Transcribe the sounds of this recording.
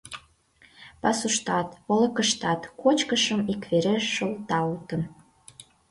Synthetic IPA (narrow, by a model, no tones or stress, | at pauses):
pɑsuʃt̪ɑt̪ŏlə̆kəʃt̪ɑt̪kot͡ɕkəʃəmikveɾeʃəlt̪ɑut̪ə̆n